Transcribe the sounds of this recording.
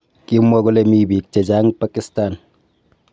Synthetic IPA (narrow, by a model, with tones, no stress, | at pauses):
ki˦mːwɔ˦kʊ˦le˦mi˦bi˨k̚t͡ʃe˨d͡ʒa˦ŋpa˦ki˦sta˨n